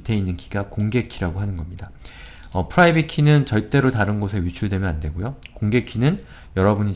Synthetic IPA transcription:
tʰe̞inːɯnkiɡakoŋɡe̞kʰiɾaɡoɦanɯnɡʌmɲida | ʌpʰɯɾaibikʰinɯnt͡ɕʌɭt͈e̞ɾotaɾɯnɡosʰe̞ɥit͡ɕʰuɭdwe̞mjʌnande̞ɡojokoŋɡe̞kʰinɯn | jʌɾʌbuɲi

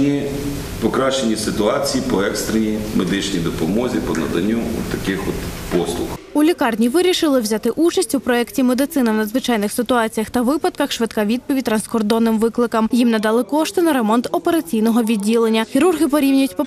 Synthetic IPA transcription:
nʲi | pɔkɾɑʃt͡ʃenʲisɪt̪ʊɑt͡sʲijipɔɛkst̪ɾenʲimed̪ɪt͡ʃnʲijd̪ɔpɔmɔzʲipɔnɐ̰d̪ɐ̰nʲːuɔ̰t̪ːɐkɪxɔt̪pɔslˠʊ̰xulʲikɑrnʲiʋɪɾʲiʃɪlˠɪwzʲat̪ɪʔut͡ʃɐsʲtʲupɾɔɛktʲimed̪ɪt̪sɪnɐwnɐd̪zʋɪt͡ʃɑjnɪxsɪt̪ʊɑt͡sʲijɐxt̪ɐʋɪpɐd̪̚kɐxʃʋɪt̪kaʋʲid̪̚pɔʋʲid̚ʲt̪ɾɐnskɔrd̪ɔnːɪmʋɪklˠɪkɐmjimnɐd̪ɑlˠɪkɔʃt̪ɔnɐɾemɔnt̪ɔpeɾɐt͡sʲijnɔɦɔʋʲidʲːilˠenʲːɐxʲiɾurɦɪpɔɾʲiwnʲʊjʊtʲpɔ

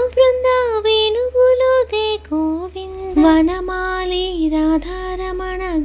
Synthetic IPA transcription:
bɾɐnd̪ʱaːʋeːnuɡuloːd̪eːkoːʋinʋɐnɐmaːliɾaːd̪ʱaːɾɐmɐɳɐ

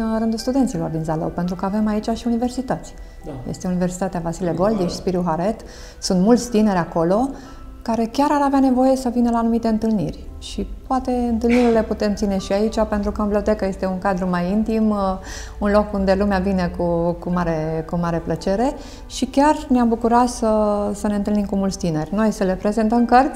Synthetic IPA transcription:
ɾɨnd̪ulst̪ud̪e̞nt̪silo̞rd̪inzalo̰wpent̪ɾukəave̞mait͡ʃaʃiunive̞rsit̪at̪sʲ | jest̪eunive̞rsi̥t̪at̪eavasileɡo̞ld̪ieʃi̥spiɾuɦaɾe̞t̪ | sunt̪mult̪sʲt̪ine̞ɾʲako̞lo̞ | kaɾe̞kʲaɾaɾaveane̞vo̞je̞səvinəlaːnumit̪e̞ɨnt̪ɨlnirʲʃipoat̪e̞ɨnt̪ɨlniɾile̞put̪e̞mt̪sine̞ʃiait͡ʃape̞nt̪ɾukəɨmbleot̪e̞kəje̞st̪e̞unkad̪ɾumajint̪im | unlo̞kund̪e̞lumeavine̞kukumaɾekumaɾe̞plət͡ʃe̞ɾe̞ | ʃikʲarneambukuɾat̪səsəne̞ɨnt̪ɨlnimkumultsʲt̪ine̞rʲno̞jsəle̞pɾe̞ze̞nt̪əmkərt̪sʲ

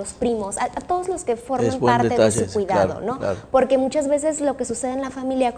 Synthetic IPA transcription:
ospɾimo̞saat̪o̞ð̞ozlo̞ske̞fo̞ɾmemanɾteeðesuwiða̰ɾo̰no̞apo̞ɾkemut͡ʃazβe̞s̬e̞zlo̞kesuse̞ð̞enlafamiljak

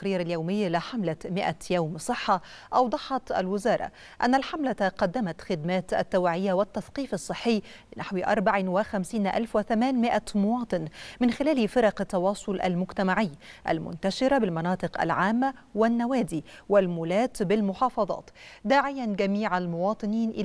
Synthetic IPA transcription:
aɾiːɾaljawmɪjːlɪħamlamɪʔajawmsˤɨħːɑ | ʔɑwd̪ˤɑħɑt̪ʔa̰lwɪzɑːɾˤɑ̰ | ʔa̰nːalħamlat̪qɑd̪ːamat̪xɪd̪mæːt̪ʔa̰t̪ːawaʕɪjːawɪt̪ːɑθqiːfɑsˤːɨħːɪjː | lɪnʔaħwʔɑ̰ɾˤbaʕɪwɪxæmsiːnʔa̰lfwɪθamæːnmɪʔamʊwɑːt̪ˤɨnmɪnxɪlæːlfɪɾˤɑqt̪ːɑwɑːsˤʊlʔa̰lmʊɡt̪amaʕɪjːʔa̰lmʊ̰nt̪aʃɪɾabɪlmɑnɑːt̪ˤɨqʔa̰lʕaːmːawɪnːawæːd̪iːwɪlmuːlæːt̪bɪlmʊħɑːfɑðˤɑ̰ːt̪d̪aːʕɪjanɡæmiːʕalmʊwɑːt̪ˤɨniːnʔɪ

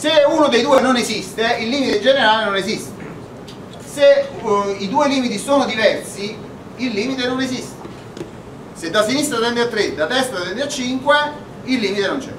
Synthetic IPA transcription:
seunod̪ejd̪uːenonezist̪eilːiːmit̪ed͡ʒeneɾaːlenonezist̪e | se | id̪uːeliːmit̪isoːnʊd̪ivɛrsi | ilːiːmit̪enonezist̪e | sed̪ːasinist̪ɾat̪ɛnd̪eat̪ːɾed̪at̪ɛst̪at̪ɛnd̪eat͡ʃːiŋkwe | ilːiːmit̪enont͡ʃɛ̰

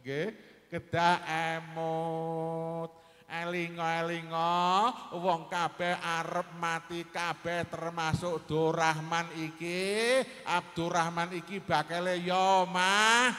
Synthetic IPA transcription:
ɡe | kəd̥a̤emo | t̪̚ | ʔeliŋɔeliŋɔ | wɔŋkab̥ɛhʔaɾəp̚mat̪ikab̥ɛht̪ərmasʊʔd̪̥oɾahmaniki | ʔap̚d̪̥oɾahmanikib̥a̤kelejɔmah

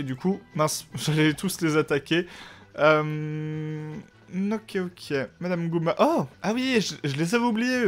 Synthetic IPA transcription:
ed̪ykumɛ̃sʒalɛt̪ʰuslezat̪akʲeøm | okʲʰeokʲʰemad̪amɡumaʔoawiʒəʒəlezavublije

